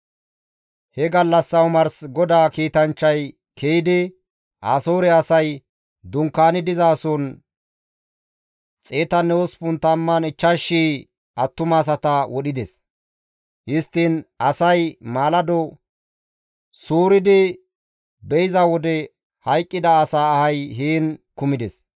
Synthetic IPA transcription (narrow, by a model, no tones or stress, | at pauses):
hɛɡɐlːɐsːɐwmɐɾsɡɔd̪aːkiːt̪ɐnt͡ʃːɐj | kʰejɪd̪ɪ | ʔaːsoːɾɛɐsɐj | d̪ʊŋkːaːnɪd̪ɪzaːsoːn | t͡sʼeːt̪ɐnːɛwɔspʊnt̪ɐmːɐnɪt͡ʃːɐʃːiː | ɐt̪ːʊmaːs̬ɐt̪ɐwɔɗɪd̪ɛs | hɪst̪ːɪnɐsɐjmaːlɐd̪ɔ | suːɾɪd̪ɪ | bɛjɪzɐwɔd̪ɛ | hɐjkʼːɪd̪ɐːsaːhɐjɦiːnkʊmɪd̪ɛs